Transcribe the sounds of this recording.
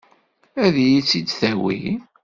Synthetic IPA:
æðjit͡sːid̪θæwḭ

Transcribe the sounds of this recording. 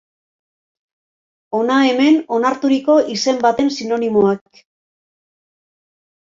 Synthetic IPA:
o̞nae̞me̞no̞naɾt̪uɾiko̞ʔise̞mbat̪e̞nsino̞nimoak̚

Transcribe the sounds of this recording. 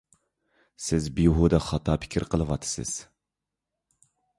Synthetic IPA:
sɪzbijuɦud̪ɑχɑt̪ʰɑːpʰɪ̥kʲʰiɾqʰəlˠɨwɑt̪ʰːɨ̥sɨ̰z̥

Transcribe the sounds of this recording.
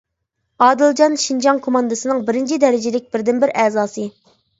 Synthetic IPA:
ɑːd̪ɨlˠd͡ʒɑnʃind͡ʒɑŋkʰomɑnd̪ɨsɨnɨŋbɪɾɪnt͡ʃʰid̪ɛɾɪd͡ʒɪlɪk̚ʲbɪɾd̪ɪnbɪɾɛːzɑːsɨ

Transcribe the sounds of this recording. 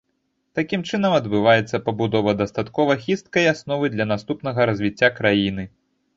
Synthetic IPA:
t̪akʲimt͡ʂɨnɐmɐd̪bɨvajɛt̪sːɐpɐbud̪ɔvɐd̪ɐst̪at̪kɔvɐxʲist̪̚kɐjasnɔvɨjd̪lʲɐnast̪upn̪ɐɣɐɾɐzʲvʲit͡sʲːakɾajinɨ

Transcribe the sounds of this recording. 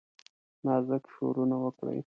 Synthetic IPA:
nɑzəkʃo̰ɾunawəkɽə̰j

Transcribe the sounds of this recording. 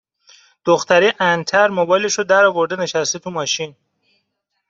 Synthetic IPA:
d̪̥oxt̪ʰæɾiʔænt̪ʰæɾmobɒjleʃod̪æɾɒvoɾd̪eneʃæst̪et̪ʰumɒːʃin

